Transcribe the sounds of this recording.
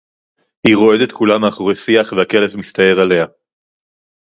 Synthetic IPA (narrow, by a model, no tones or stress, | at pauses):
hiʁo̞e̞d̪et̪kʰulamaːχoʁesiaχvehake̞levmist̪ae̞ʁale̞ha